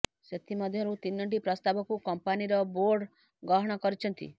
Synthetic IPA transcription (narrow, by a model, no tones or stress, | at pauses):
set̪imɔd̪ʱjɔɾut̪injɔɳʈ̬ipɾɔst̪abɔkukɔmpaniɾɔboɾɖ | ɡɔɦɔɽ̃ɔkɔɾit͡ʃʰɔnt̪ḭ